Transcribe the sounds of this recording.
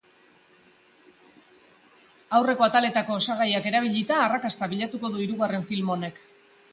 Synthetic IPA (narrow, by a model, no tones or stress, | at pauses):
awre̞ko̞at̪ale̞t̪ako̞ːsaɣ̞ajake̞ɾaβ̞iʎit̪aːrakast̪aβiʎat̪uko̞ðuiɾuɣare̞ɱfilmo̞ne̞k